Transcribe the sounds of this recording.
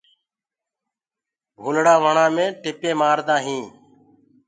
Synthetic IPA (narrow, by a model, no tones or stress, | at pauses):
bʱʊlɽaːʋəɳãːmẽːʈɪpẽːmaːɾd̪ãːɦĩː